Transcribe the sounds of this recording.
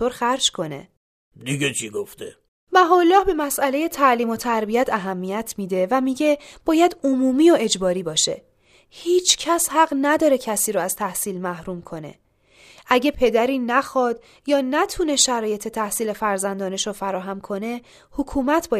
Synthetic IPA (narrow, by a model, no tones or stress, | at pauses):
oɾxæɾd͡ʒkʰo̞ne̞̰ | d̪iɡet͡ʃʰiɡoft̪e | mæɦɒːlːɒːhbe̞mæsʔæle̞je̞t̪ʰæʔliːmo̞t̪ʰæɾbiæt̪ʰæɦæmːijæt̪ʰmiːd̪e̞væmiːɟe̞b̥ɒːjæd̪omuːmiːoe̞d͡ʒbɒːɾiːbɒːʃe̞̰ | hiːt͡ʃʰcʰæshæɢnæd̪ɒːɾe̞cʰæsiːɾoæz̥t̪ʰæhsiːlmæhɾuːmkʰo̞nḛ | ʔæɟe̞pʰe̞d̪æɾiːnæxɒːd̪̥ | jɒːnæt̪ʰuːne̞ʃæɾɒːje̞t̪ʰe̞t̪ʰæhsiːle̞fæɾzænd̪ɒːneʃofæɾɒːɦæmkʰo̞ne̞ | hokʰuːmæt̪ʰbɒː